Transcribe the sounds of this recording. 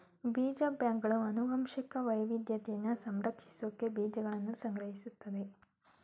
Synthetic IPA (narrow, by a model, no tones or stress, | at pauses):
biːd͡ʒɐbjaːŋɡɐɭuɐnuɡɐmʃikɐʋɐjʋid̪jɐt̪ɛjɐnːɐsɐmɾɐkʂi̥soːkːebiːd͡ʒɐɡɐɭɐnːusɐŋɡɾɐɦisut̪ːɐd̪e̞